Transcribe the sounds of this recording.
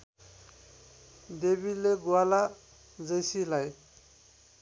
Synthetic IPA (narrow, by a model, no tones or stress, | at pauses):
d̪ebileɡuala | d͡zʌjsilaj